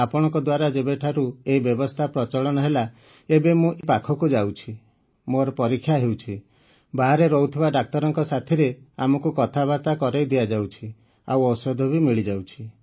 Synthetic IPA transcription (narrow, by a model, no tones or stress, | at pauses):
apɔɽ̃ɔ̃ŋkɔd̪waɾad͡ʒebeʈʰaɾueibjɔbɔst̪ʰapɾɔt͡ʃɔɭɔɽ̃ɔɦela | ebemũʔepakʰɔkud͡ʒawt͡ʃʰi | moɾɔpɔɾikʰːjaɦewt͡ʃʰi | baɦaɾeɾɔut̪ʰibaɖak̚t̪ɔɾɔŋkɔsat̪ʰiɾeamɔkukɔt̪ʰaβat̪akɔɾejd̪iad͡ʒawt͡ʃʰi | a̰wɔwsɔd̪ʱɔbimiɭid͡ʒawt͡ʃʰi